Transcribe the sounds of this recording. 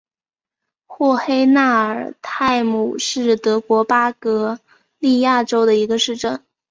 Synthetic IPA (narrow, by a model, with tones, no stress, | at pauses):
xwɔ˥˩xe˥ɪna˥˩ə˞˨˩t̪ʰa˥˩ɪmu˨˩ʂɻ̩˥˩t̪ɤ˧˥kwɔ˧˥pa˥kɤ˧˥ | li˥˧ja˥˩ʈ͡ʂo˥ʊd̪ə˨i˧˥ɡə˧ʂɻ̩˥˧ʈ͡ʂə˥˩ŋ